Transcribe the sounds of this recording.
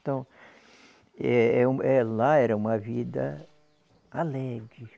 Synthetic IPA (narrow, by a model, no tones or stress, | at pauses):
t̪ɐ̃w̃ | ɛɛũɛlaɛɾɐũmɐvid̪ɐ̰ | alɛɡɾɪ